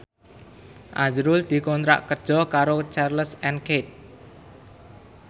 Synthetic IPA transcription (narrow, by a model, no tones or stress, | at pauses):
ʔad͡ʒɾʊld̪̥i̤kɔnt̪ɾa̰ʔkərd̥d͡ʒ̥ɔ̤kaɾot͡ʃarləsɛnket̪̚